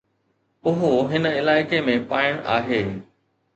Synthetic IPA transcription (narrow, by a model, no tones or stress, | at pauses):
ʊɦoɦɪnə̆ɪlaːɪkemẽpaːɪɽ̃ʔa̰ːɦeː